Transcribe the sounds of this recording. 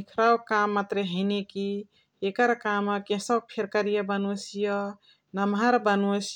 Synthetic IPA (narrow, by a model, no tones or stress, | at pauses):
ikʰɾawkamːat̪ɾeɦəɪneki | ekəɾkaməkẽsɔpʰeɾkəɾijəbənosijə | nəmɦaɾbənos